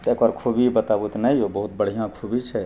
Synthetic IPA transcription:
t̪ekaɾkʰubibət̪abut̪nəjobəɦut̪̚bəɽ̤ijãkʰubit͡ʃʰɛ

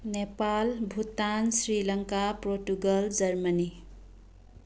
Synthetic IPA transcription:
nepalbʱut̪ːansɾilʌŋkaproʈuɡʌld͡zʌrmʌni

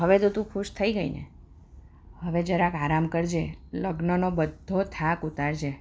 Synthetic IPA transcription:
ɦəʋet̪ot̪ũkʰuʃt̪ʰəiɡəinḛ | həʋed͡ʒaɾeakaɾamkəɾd͡ʒeləɡnənobəd̪ʱːot̪ʰakut̪aɾd͡ʒe

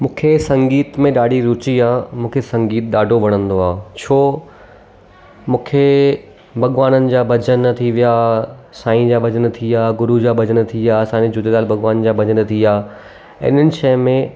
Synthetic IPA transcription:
mũːkʰesɐ̃ŋɡiːt̪mẽɗaːɖʱiɾʊt͡ɕiaːmũːkʰesɐ̃ŋɡiːt̪ɗaːɖʱoʋɐɽ̃ə̃nd̪oaːt͡ɕʰoː | mũːkʰe | bʱɐɠʋaːnənɪ̆d͡ʑaːbɐd͡ʑənt̪ʰiʋijasaːĩd͡ʑaːbɐd͡ʑənt̪ʰiaːɡʊɾud͡ʑaːbʱɐd͡ʑənt̪ʰiasãːid͡ʑʊd̪ed̪aːlbʱɐɠʋaːnd͡ʑaːbʱɐd͡ʑənt̪ʰiaː | ɪ̰n̤ənɪ̆t͡ɕɛɦmẽ

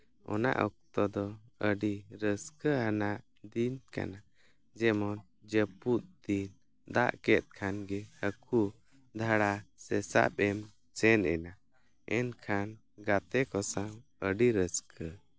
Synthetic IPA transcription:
ɔ̰na̰ʔɔk̚t̪ɔd̪ɔəɖiɾəskəɦanaʔ | d̪inka̰na | d͡ʒɛmɔn | d͡ʒəput̪̚d̪in | d̪a̰ʔkɛt̪̚ˀkʰanɡɛhəkʰu | d̪ʱaɽasɛsa̰pɛm | sɛnɛna | ɛnkʰan | ɡat̪ɛkɔsawəɖiɾəskʰə

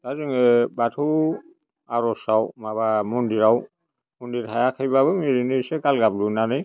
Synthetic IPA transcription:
tazɯŋebatʰu | aɾɔsawmabamɔndiɾaw | mundiɾhʰajakʰajbabɯmiɾinisɛkalɡablunanɯj

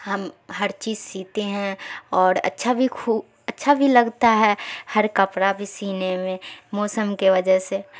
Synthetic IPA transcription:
həmɦəɾt͡ʃiːzsiːt̪eɦɛ̃ɔːɾə̰tːʃʰabʱikʰu | ətːʃʰabʱiləɡt̪aɦɛhəɾkəpɾabʱisiːnemẽmɔːsəmkeʋəd͡ʒəɦse

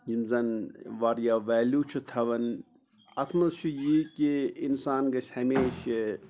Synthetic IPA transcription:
d͡ʒimzɐnʋaːɾjaːʋɛːljuːt͡ʃʰut̪ʰɐʋɐn | ɐt̪ʰmɐzt͡ʃʰujikiinsaːnɡɐʃʰhɐmeːʃe

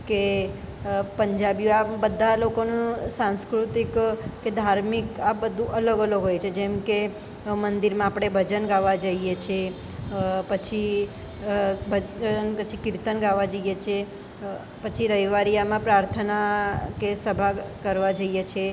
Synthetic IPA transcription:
ke | pəɲd͡ʒabjoabəd̪ʱːalokonũsãnskɾut̪ikked̪ʱaɾmikabəd̪ʱũʔələɡələɡɦojt͡ʃʰed͡ʒɛmke | mənd̪iɾmãapɽ̃ebʱəd͡ʒənɡaʋad͡ʒəijet͡ʃʰe | pət͡ʃʰi | bʱənpət͡ʃʰikɪɾt̪ənɡaʋad͡ʒəjet͡ʃʰe | pət͡ʃʰiɾəɦiʋaɾijamãpɾaɾt̪ʰənakesəbʱakəɾʋad͡ʒəijet͡ʃʰe

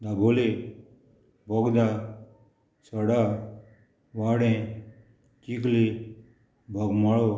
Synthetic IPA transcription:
d̪abʱole | bʱɔɡd̪a | səɽa | waɽẽ | t͡ʃikle | bʱɔɡmaɭo

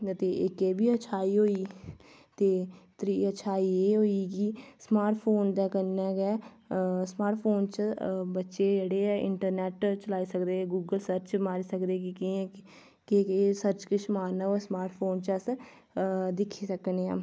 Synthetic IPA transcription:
ət̪eːɪkeːbiːət͡ʃʰaːiːɦoːiː | t̪eːt̪ɾiːət͡ʃʰaːiːeːɦoːiːkismaːɾʈpʰoːnd̪ɛːkəɾnɛːɡɛː | smaːɾʈpʰoːnt͡ʃbətːʃeːd͡ʒeɽeːɪ̰ɳʈəɾnɛːʈt͡ʃəlaːiːsəkd̪eːɡuːɡəlsəɾt͡ʃmaːɾiːsəkd̪eːkɪki | keeːsəɾt͡ʃkɪʃmaːɾnaːosmaːɾʈʰpʰoːnt͡ʃəs | d̪ɪkʰːiːsəkneːaː

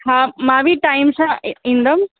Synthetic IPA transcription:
haːmãːbʱiʈaːɪmsãĩːnd̪əm

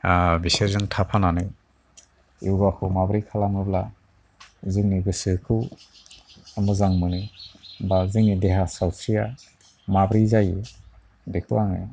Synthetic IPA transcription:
abiseɾzɯŋtʰapʰananɯj | iwɡakʰɯwmabɾikʰalamɡɯbla | zɯŋniɡɯsɯkʰɯw | amɯzaŋmɯnɯbazɯŋnideɦasawsɾija | mabɾizaji | dekʰɯwaŋḛj

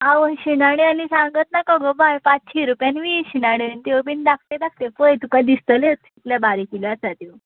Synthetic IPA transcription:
awəɕinaɽ̃ianisãŋɡət̪nakəɡəbajpat͡st͡ɕʰiɾupjanʋiːɕinaɽint̪ewbind̪ak̚ʰt̪ed̪ak̚ʰt̪ekəjt̪ukad̪ist̪əlet̪ʰikljabaɾikiliat͡sat̪iw

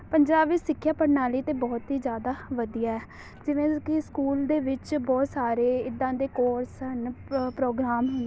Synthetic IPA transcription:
pəɲd͡ʒaːʋiːsɪkʰːjaːpəɾnaːliːt̪eːbɔːt̪ɦiːd͡ʒjaːd̪aːʋəd̪ijaːɛː | d͡ʒɪʋẽːkɪskuːld̪eːʋɪt͡ʃbɔːt̪saːɾeːɪd̪ãːd̪eːkoːɾsənpɾoːɡɾaːmɦʊn

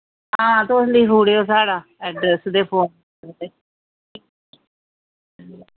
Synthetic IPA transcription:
ɦãːt̪oʊsnd̪iːfuːɽioːsaːɽaːɛːɖɾɛsd̪eːpʰoːn | əɾd̪eː

